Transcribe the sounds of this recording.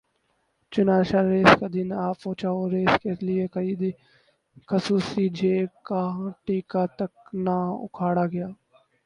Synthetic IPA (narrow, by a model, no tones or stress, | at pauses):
t͡ʃʊnaːʃaɾeːskad̪ɪnaːpõːt͡ʃaːoːɾeːskelɪekəiːd̪ | kəsuːsid͡ʒʱeːkãʈiːkat̪əknaːʊ̰kʰaːɽaːɡɐjaː